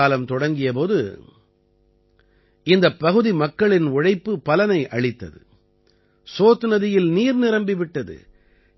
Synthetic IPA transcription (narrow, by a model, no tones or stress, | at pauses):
aːlɐmt̪ɔɽɐŋɡɪjɐpoːðɯ | ɪnd̪ɐpːɐɣɯðimɐkːɐɭɪnʊɻɐɪpːɯpɐlɐnɐɪʔɐɭɪt̪ːɐ̰ðɯ̰ | soːt̪ːɯnɐðɪjɪlniːɾnɪɾɐmbɪʋɪʈːɐðɯ̰